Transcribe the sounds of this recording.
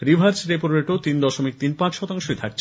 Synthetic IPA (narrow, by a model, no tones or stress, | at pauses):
ɾibʱaɾd͡ʑɾepoɾɾeʈot̪ind̪ɔʃomik̚t̪inpãt͡ɕʃɔt̪aŋʃoet̪ʰak̚t͡ɕʰe